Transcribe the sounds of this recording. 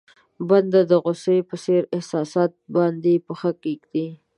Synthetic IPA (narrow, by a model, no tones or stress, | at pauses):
band̪ad̪əɣʊsepəseɾɪhsɑsɑt̪̚bɑnd̪epəxəkikd̪i